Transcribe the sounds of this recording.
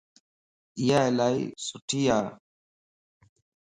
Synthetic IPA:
ijaɛlaj̰sutija

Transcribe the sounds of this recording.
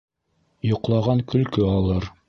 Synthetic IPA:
jŏqlˠɑʁɑŋkɵ̆lkɵɑlˠɤɾ

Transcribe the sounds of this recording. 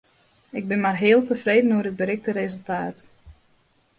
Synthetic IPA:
ɪɡ̚bɪnmarɦɪːəlˠtəfreːdənoərəd̚bəɾɪk̚təɾezəlˠtaːt

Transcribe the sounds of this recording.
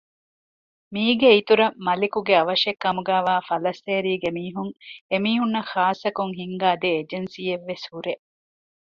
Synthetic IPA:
miːɡeit̪uɾɐmɐlikuɡeɐʋɐʃekːɐmuɡæːʋaːfɐlɐsːeːɾiːɡemiːɦuŋemiːɦunːɐxaːsɐkuŋɦiŋɡaːd̪eːd͡ʒensijeʋːeshuɾe

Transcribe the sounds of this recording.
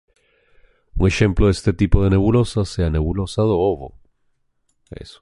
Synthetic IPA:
uŋe̞xe̞mploðest̪et̪ipoðene̞βulo̞saseane̞βulosaðooβo̰ | ḛso̥

